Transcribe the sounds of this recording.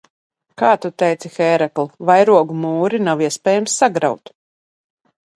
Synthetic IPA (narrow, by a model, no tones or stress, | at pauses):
kaːt̪ut̪ɛjt̪sixɛːɾɛklˠuvajɾuɔɡumuːɾinawiɛspɛːjamsːaɡɾa̰wt̪